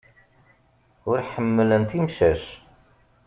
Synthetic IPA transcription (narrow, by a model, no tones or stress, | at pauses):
ʊɾħəmːələnt̪imʃæʃ